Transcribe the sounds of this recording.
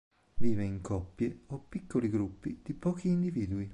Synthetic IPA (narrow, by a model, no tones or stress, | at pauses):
viːveiŋkʰɔpːjeopːikːoliɡɾupːid̪̥ipɔːkiːnd̪iviːd̪ui